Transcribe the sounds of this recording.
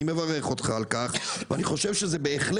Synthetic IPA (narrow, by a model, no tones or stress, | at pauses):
imevaʁeχo̞t̪χaːlkaχveaniχo̞ʃe̞vʃezebeːχl